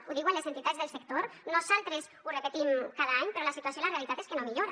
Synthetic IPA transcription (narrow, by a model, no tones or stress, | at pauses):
uðiwalesent̪it̪ad̪zðelˠsek̚t̪oɾnozalˠt̪ɾez | urepet̪imkaðəaɲpeɾolasit̪uasjolarealit̪at̪eskenomiʎoɾa